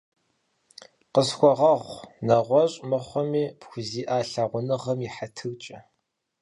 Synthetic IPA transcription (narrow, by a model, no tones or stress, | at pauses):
qəsxʷɔʁɐʁʷnɐʁʷɔɕʼmɨχʷɔmiːpxʷʊziːʔaːɬaʁʷʊnɨʁɐmiħatʰɨɣt͡ʃʼɐ